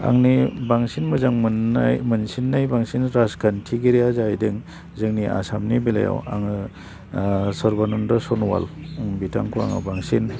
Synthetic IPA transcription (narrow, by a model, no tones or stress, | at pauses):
a̰ŋnibaŋsinmɯzaŋmɯnajmɯnsinːajbaŋsinɾaskʰantʰiɡiɾijazajdɯŋ | zɯŋniʔa̰samnibila̰ja̰wa̰ŋɯ | sɔɾbanundɔsɔnwa̰luŋbitʰa̰ŋkʰua̰ŋɯ̰baŋsin